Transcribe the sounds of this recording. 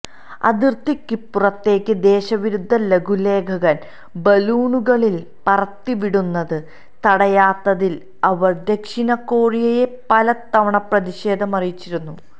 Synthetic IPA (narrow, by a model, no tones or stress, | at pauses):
ɐ̰d̪irt̪ikːipːurɐt̪ːe̞ːkʲːɨd̪e̞ːɕɐʋiɾud̪ʱːɐleɡʱule̞ːɡʱɐɣɐn | bɐluːnuɣɐɭil | pɐrɐt̪ːiʋiɽunːɐðɨ | t̪ɐɽɐjaːt̪ːɐðil | ɐʋɐrd̪e̞kʂinɐkːo̞ːɻijɐje̞pɐlɐt̪ːɐʋɐɳɐprɐðiɕe̞ːd̪ʱɐmɐrijit͡ɕːiɾunːu